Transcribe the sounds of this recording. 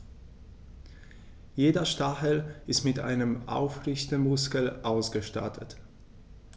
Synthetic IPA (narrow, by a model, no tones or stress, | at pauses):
jeːdɐʃtaxəlɪstmɪtʔa̰ɪnəmʔa̰ʊfʁɪçtəmʊskəl̩ʔaʊsɡ̥əʃta̰tʰət